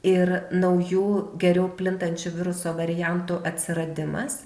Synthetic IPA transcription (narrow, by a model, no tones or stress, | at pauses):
ɪɾnɐʊjuːɡʲɛɾʲɛʊpʲlʲɪnt̪ɐnʲt͡ʃʲʊʋʲɪɾʊsoːʋɐɾʲɪjɛnt̪uʔɐt̪ʲsʲɪɾɐd̪ʲɪmɐ̰s